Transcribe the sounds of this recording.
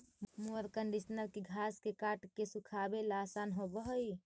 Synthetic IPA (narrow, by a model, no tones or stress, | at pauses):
muəɾkəɳɖisnəlkeɡʱaskekaʈkesukʰabelasanɦobəɦəj